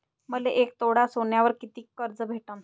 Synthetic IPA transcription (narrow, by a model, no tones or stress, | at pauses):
məleʔek̚t̪oɽasoɳjaʋəɾkit̪iːkːəɾd͡zəbʱeʈən